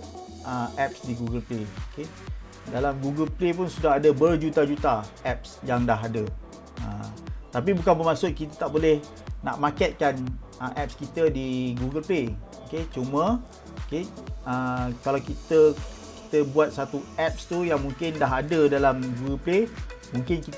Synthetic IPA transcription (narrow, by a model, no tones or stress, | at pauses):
ʔəʔɛp̚sdiɡuɡəlpleoke | dalamɡuɡəlplep̬ʊnsudaɦadəbərd͡ʒut̪ad͡ʒut̪aʔɛp̚sjaŋdaɦadə | ə̰t̪ap̬ibukanbəmasʊʔ̪̚kit̪ət̪aʔbolɛh | na̰ʔmakɛt̪̚kanəʔɛp̚skit̪ədiɡuɡəlpleoket͡ʃumə̃ | okeəkalawkit̪ə | ki̥t̪əbuat̪̚sat̪uʔɛp̚st̪ujaŋmũŋkɪndaɦadədalamɡuɡəlplemũŋkɪnkit̪